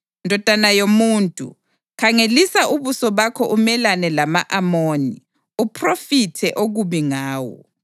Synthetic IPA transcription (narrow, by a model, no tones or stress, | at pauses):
ndʱɔd̥ʱanajomuːntʼṵ | kʰaŋelisaʔuβusɔβakʰɔʔumɛlanɛlama̰ʔamoːni | upʰrofitʰɛʔoɣuβiŋaːwɔ̰